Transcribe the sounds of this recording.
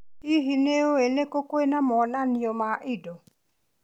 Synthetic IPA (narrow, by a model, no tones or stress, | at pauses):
iɦineoenekokoenamɔnaniomaʔɪdo